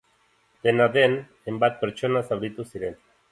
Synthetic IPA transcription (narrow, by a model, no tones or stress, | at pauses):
d̪enaðen | embat̪̚peɾt͡ʃonasaβɾit̪usiɾen